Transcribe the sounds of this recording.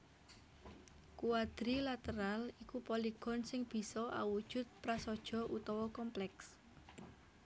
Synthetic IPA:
kuwad̪̥ɾilat̪əɾalikupɔliɡ̥ɔ̤nsɪŋb̥i̤sɔʔa̰wud̥ʒ̥ʊ̤t̪̚pɾasɔd̥ʒ̥ɔ̤ʔut̪ɔwɔkɔmplɛks

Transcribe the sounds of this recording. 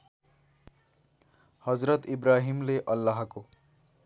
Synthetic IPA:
hʌd͡zɾʌt̪ibɾaɦimleʔʌlːaɦko

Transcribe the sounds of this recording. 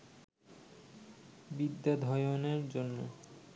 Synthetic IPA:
bid̪ːad̪ʱɔjoneɾd͡ʑonːo

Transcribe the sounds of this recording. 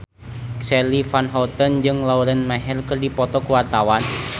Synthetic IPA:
ksɛlifanɦɔt̪ənd͡ʒɨŋlauɾənmɛɦɛlkɨrdipɔt̪ɔkuwart̪awan

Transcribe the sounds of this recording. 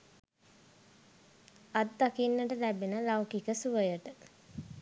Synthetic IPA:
at̪d̪akinːəʈəlæbenəlawkikəsuʋəjəʈə

